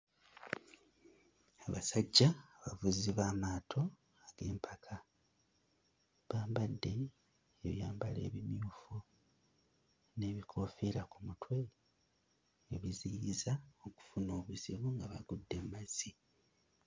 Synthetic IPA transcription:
aβasaɟːaːβavuziβaːmaːtʰo̞ | aɡ̥e̞ːmpʰakʰa | βaːmbadːe̞ː | βjaːmbale̞̰ːβimjuːfu | ne̞ːβikʰo̞fiɾakumutwe̞ | βiziiizaoku̥funo̞ːβuziβuŋɡaβaɡudːe̞mmaz̥i

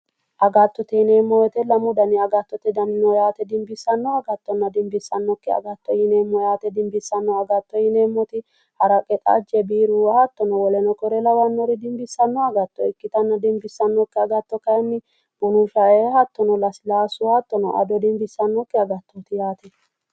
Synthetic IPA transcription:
ʔɐɡɐt̪ːɔt̪ɛneːmːɔwɛt̪ɛlɐmʊd̪ɐnɪɐɡɐt̪ːɔt̪ɛd̪ɐnɪnɔjaːt̪ɛd̪ɪmbɪsːɐnːɔɐɡɐt̪ːɔnːɐd̪ɪmbɪsːɐnːɔkːɛɐ̰ɡɐt̪ːɔjɪneːmːɔjaːt̪ɛd̪ɪmbɪsːɐnːɔɐɡɐt̪ːɔjɪneːmːɔt̪ɪ | hɐɾɐkʼɛt̪ʼa̰d͡ʒɛbiːɾuwɐhɐt̪ːɔnɔwɔlɛnɔkɔɾɛlɐwɐnːɔɾɪd̪ɪmbɪsːɐnːɔɐɡɐt̪ːɔɪkːɪt̪ɐnːɐd̪ɪmbɪsːɐnːɔkːɛɐɡɐt̪ːɔkɐjɛmːɪ | b̥ʊnʊʃɐɛhɐt̪ːɔnɔlɐslaːsʊhɐt̪ːɔnɔ̰ʔɐ̰d̪ɔd̪ɪmbɪsːɐnːɔkːɛɐɡɐt̪ːɔt̪ɪjaːt̪ɛ

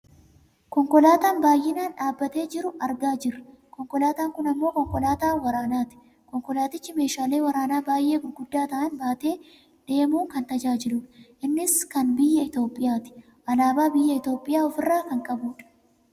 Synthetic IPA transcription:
kɔŋkʼɔlaːt̪aːnbaːjʔɪnaːnᶑaːbːɐt̪e̞ːd͡ʒɪɾʊʔɐɾɡaːd͡ʒɪrːɐkɔŋkʼɔlaːt̪aːŋkʊnɐmːo̞ːkɔŋkʼɔlaːt̪aːwɐɾaːnaːt̪ɪ̥ | kɔŋkʼɔlaːt̪ɪt͡ʃːɪme̞ːʃaːle̞ːwɐɾaːnaːbaːjʔe̞ːkʊnɡʊd̪ːaːt̪ɐʔɐnbaːt̪e̞ː | d̪̥e̞ːmuːkɐnt̪ɐd͡ʒaːd͡ʒɪluːᶑɐ̥ʔɪnːɪskɐnbɪjːɐɪt̪o̞ːpʼːɪjaːt̪ɪ̥ | ʔɐlaːbaːbɪjːɐɪt̪o̞ːpʼːɪjaːɔfɪrːaːkɐŋkʼɐbuːᶑɐ̥

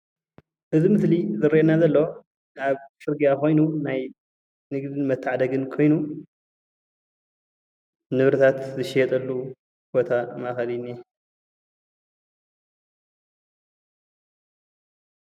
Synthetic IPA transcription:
ʔɨzimɨslizɨɾienazɐlːo | kaβfɨɾɡijako̞jnunaj | nɨɡd̪ɨnmɐt̪ʰːaʕad̪ɐɡɨnkʰo̞jnu | nɨβɾɨt̪ʰat̪zɨʃɪjɛt̪ʼɐlːu | b̥o̞t̪ʰamaxɐlinːi

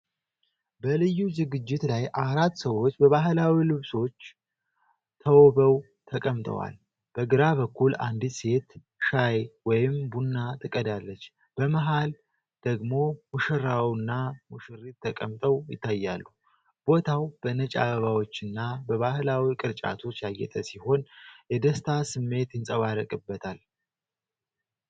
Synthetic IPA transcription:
bəlɨjːuzɨɡɨd͡ʒːɪt̪lajʔaɾat̪ːsəwo̞t͡ʃːbəβaɦɨlawilɨβso̞t͡ʃː | t̪ʰəwobəw | t̪ʰəkʼəmt̪ʼə̰wa̰l | b̥əɡɨɾaβəkːula̰nd̪ise̞t̪ | ʃajwɔjɪmbunːat̪ʰɨkʼəd̪alːət͡ʃː | b̥əməɦal | d̪̥əɡmo̞muʃɨɾawnːamuʃɨɾit̪ʰːəkʼəmt̪ʼəwjɪ̰t̪ʰːajːalːu | b̥o̞t̪ʰawb̥ənət͡ʃʼa̰βəβawo̞t͡ʃːɨnːabəβahɨlawikʼɨɾt͡ʃʼa̰t̪ʰo̞t͡ʃːjajːɛ̰t̪ʼəsiho̞njɛd̪əst̪ʰasɨmːe̞t̪jɪnsʼəβaɾəkʼɨbːət̪ʰal

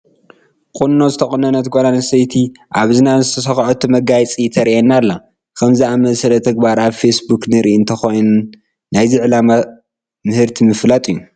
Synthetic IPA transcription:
kʼunːo̞zɨt̪ʰɐχʼɨnɐnɐt̪ɡolanɐsɐjt̪ʰi | ʔaβzɨnazɨt̪ʰɐs̬ɐxʕot̪ʰːumɐɡajt͡sʼit̪ʰɐɾiʔenːalːa | kʰɐmzɨamɐsɐlɐt̪ʰɐɡbaɾaβfesbuknɨɾʔiʔɨnt̪ʰɐxo̞jnu | najziʕɨlama | mɨhɨɾt̪ʰimɨflat̪ʼɨijːu

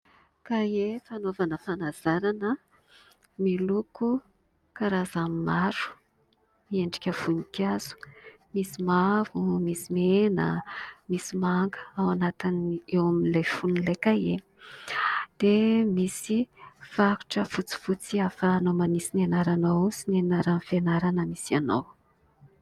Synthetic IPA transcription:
kajefanovanəfanaz̥aɾanə | miluku | kaɾazamimaɾu̥ | mieɳɖ͡ʐi̥kʲəv̥unikaz̥u̥ | misimavumisimenə̰misimaŋɡə̥awanat̪inewaminlefunlekaje | d̪̥emisifaɾu̥ʈ͡ʂəfut͡si̥fut͡siafəːnowmanisinenaɾanowusinenaɾanfenaɾanəmisianaw

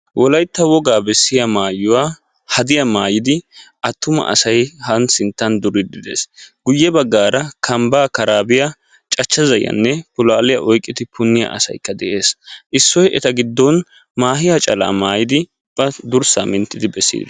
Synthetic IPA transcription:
wɔlɐjt̪ːɐwɔɡaːbɛsːɪjɐmaːjʊwaː | hɐd̪ɪjɐmaːjɪd̪ɪʔɐt̪ːʊmɐ̰ʔɐ̰sɐjhɐnsɪnt̪ːɐnd̪ʊɾɪd̪ɪd̪ḛːsɡ̥ʊjːɛbɐɡːaːɾɐkʰɐmbaːkɐɾaːbɪjɐ | t͡ʃʼɐt͡ʃːɐzɐjɐ̰nːɛpʊlaːlɪjɐʔɔjkʼːɪt̪ɪpʊnːɪjɐ̰ʔɐ̰sɐ̰jkːɐd̪ɛʔe̞ːsʔɪsːɔjɛt̪ɐɡɪd̪ːɔn | maːɦɪjɐt͡ʃʼɐla̰ːmaːjɪd̪ɪ | b̥ɐd̪ʊɾsaːmɪnt̪ːɪd̪ɪbɛsːḭːd̪ɐ

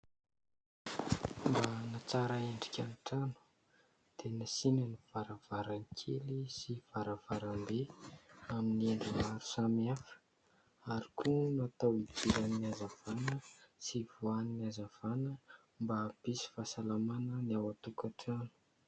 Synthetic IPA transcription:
mbanat͡saɾaeɳɖ͡ʐi̥kʲaniʈ͡ʂanu̥ | d̪̥enasinəniv̥aɾav̥aɾaŋikʲʰelisiv̥aɾav̥aɾambe | aminieɳɖ͡ʐuvaɾu̥samiafə̥ | aɾikʰunuat̪awid̪iɾaniazav̥anəsivuaniniazav̥anə | mbab̥isi̥fasalamanəniawat̪ukaʈ͡ʂanu̥

